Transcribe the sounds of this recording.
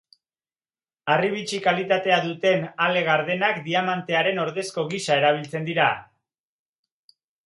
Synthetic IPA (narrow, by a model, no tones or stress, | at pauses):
ariβ̞it͡ʃikalit̪at̪e̞aðut̪e̞nale̞ɣ̞aɾðe̞nakd̪iamant̪e̞aɾe̞no̞ɾðe̞sko̞ɣiʃae̞ɾaβ̞ilt͡se̞nd̪iɾa